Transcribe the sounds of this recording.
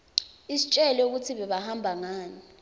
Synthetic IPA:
isit͡ʃʼɛlɛuk̬utʰiɓɛɓahambʱaŋaːni

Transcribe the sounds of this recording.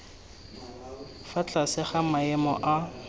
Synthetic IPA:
fat͡ɬʼasɪχamaɛmɔ̰ʔa

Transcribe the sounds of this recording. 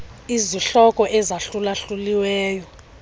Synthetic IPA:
iziɬɔkʼɔʔɛzaɬulaɬuliwɛːjɔ

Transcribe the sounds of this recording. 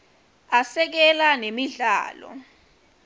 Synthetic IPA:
asɛk̬ɛlanemiɮa̰ːlɔ̰

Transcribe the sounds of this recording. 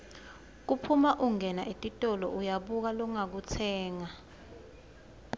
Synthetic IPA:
k̬upʰumaʔuŋɛnaʔetʼitʼɔlɔʔujaɓuk̬alɔŋak̬ut͡sʰɛːŋa

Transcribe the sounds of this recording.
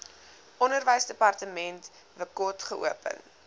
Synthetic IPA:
ɔnərvəjsdəpɐrtəmɛnt | vəkɔtχəʔṵəpə̰n

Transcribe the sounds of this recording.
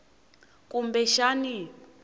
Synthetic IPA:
kumbɛʃani

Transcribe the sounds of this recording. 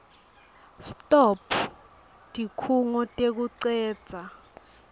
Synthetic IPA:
stʼɔpʰ | dʼʱikʰuŋɔtʼek̬uǀɛːd̥d͡z̥ʱa

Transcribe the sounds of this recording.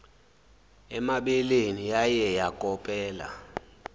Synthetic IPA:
ɛmaɓɛlenijajɛjakʼɔpʼɛːla̰

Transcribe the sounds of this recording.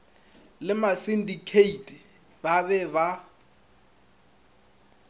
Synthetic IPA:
lɪmasindikʰeitʼi | babɛβa

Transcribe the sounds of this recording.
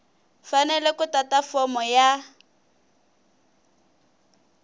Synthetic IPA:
fanɛlɛkʊtatafɔmɔja

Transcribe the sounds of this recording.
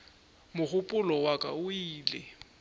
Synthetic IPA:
mʊχʊpʼʊlɔwakʼa̰ʊiːlɪ

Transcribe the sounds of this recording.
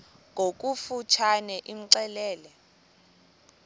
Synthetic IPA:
ŋʱok̬ʼufut͡ʃʰanɛʔiŋ̩ǀɛlɛːlɛ

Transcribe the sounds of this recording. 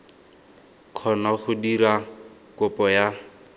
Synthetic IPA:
q͡χʰɔnaχʊdiɾa | kʊpɔja

